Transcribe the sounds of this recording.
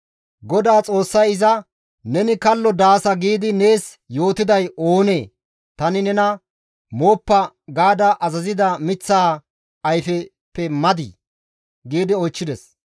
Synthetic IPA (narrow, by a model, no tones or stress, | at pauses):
ɡɔd̪aːt͡sʼo̞ːsːɐjɪzɐ | nɛnɪkɐlːɔd̪aːsɐɡiːd̪ɪne̞ːs | jo̞ːt̪ɪd̪ɐjo̞ːne̞ː | t̪ɐnɪnɛnɐ | moːpːɐ | ɡaːd̪ɐʔɐzɐzɪd̪ɐmɪt͡sːaː | ɐjfɛ | pːɛmɐd̪ḭː | ɡiːd̪ɪɔjt͡ʃːɪd̪ɛs